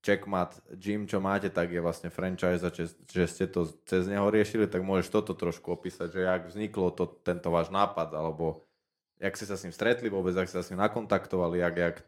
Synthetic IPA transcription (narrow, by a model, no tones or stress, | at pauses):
t͡ʃɛkmat̪d͡ʒimt͡ʃɔmaːcɛt̪aɡjɛʋlasɲɛfɾɛnt͡ʃajzat͡ʃɛʒɛscɛt̪ɔt͡sɛzɲɛɦɔɾɪɛʃilit̪aɡmʊɔʒɛʃt̪ɔt̪ɔt̪ɾɔʃkuɔpiːsaɟʒɛaɡvzɲiklɔt̪ɔt̪ːɛnt̪ɔʋaːʒnaːpad̪alɛbɔ | akscɛsasɲimst̪ɾɛt̪liʋʊɔbɛd͡zakscɛsasɲimnakɔnt̪akt̪ɔʋaliaɡak